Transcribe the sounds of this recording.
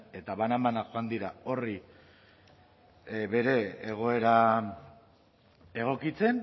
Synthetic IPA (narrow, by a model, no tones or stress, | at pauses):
e̞t̪aβanamanaxoand̪iɾao̞ri | βe̞ɾe̞ːɣ̞o̞e̞ɾa | e̞ɣ̞o̞kit͡se̞n